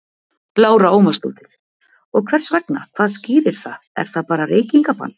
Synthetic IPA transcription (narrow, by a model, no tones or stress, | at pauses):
laːwɾaoːwmast̪ṵːt̪ɪɾ̥ | ɔɣkʰvɛr̥svɛkna̰kʰv̥aːðsciːɾɪɾ̥θaɛ̰ɾ̥θaðpaːɾareːjciŋkapa̰nː